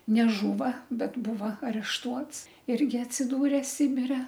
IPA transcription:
nʲɛˈʒuːʋɐ bʲɛt ˈbuːʋɐ ɐrʲɛʃˈtuɔts ˈɪrʲɡʲɪ ɐtʲsʲɪˈduːrʲeː ˈsʲɪbʲɪrʲɛ

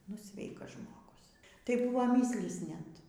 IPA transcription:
nʊ ˈsʲʋʲɛɪkɐs ʒmoːˈɡʊs tɐɪ ˈbʊʋoː ˈmʲɪsʲlʲiːs ˈnʲɛt

